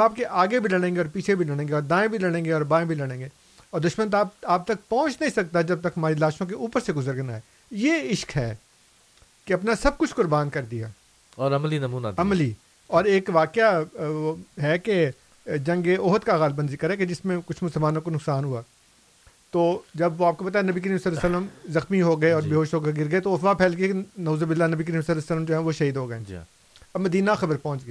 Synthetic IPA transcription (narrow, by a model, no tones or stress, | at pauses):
aːp̚keʔaːɡebʱilɐɽ̃ẽːŋɡeɔːɾpiːt͡ʃʰebʱilɐɽ̃ẽːŋɡeɔːɾd̪ãːẽbʱilɐɽ̃ẽːŋɡeɔːɾbãːẽbʱilɐɽ̃ẽːɡeː | ɔːɾd̪ʊʃmə̃nt̪aːaːb̚t̪ɐk̚pɔ̃ːt͡ʃnɐɦĩsɐk̚t̪aɛd͡ʒɐb̚t̪ɐkɦɐmaːɾilaːʃõk̬eʔuːpəɾseɡʊzəɾɡnaɦɛː | jeːɪʃkɦɛː | keɐpnasɐb̚kʊt͡ʃʰkʊɾbaːnkɐɾd̪ija̰ː | ɔːɾɐmlinɐmuːna̰d̪ɐmli | ɔːɾeːkʋaːkja | ɦɛke | d͡ʒɐ̃ŋɡeʔoːɦət̪kaɣaːlbənd̪zikɐɾɛked͡ʒɪsmẽkʊt͡ʃʰmʊsəlmaːnõkonʊksaːnɦuaː | t̪oːd͡ʒɐbʋoaːp̚kopɐt̪̬aenɐbikəɾiːmsəlsələmzɐxmiɦoːɡɐeɔːɾbeɦoːʃɦoːɡeɡɪɾɡəet̪oɐapʰɛːlkiekenoːzobɪlːanɐbik̬əɾiːmsɐləsələmd͡ʒoːɦɛ̃ʋoʃɐɦiːd̪ɦoːɡɐeː | ɐbmːɐd̪iːnaxɐbəɾpɔ̃ːʊ̃nt͡ʃɡɐeː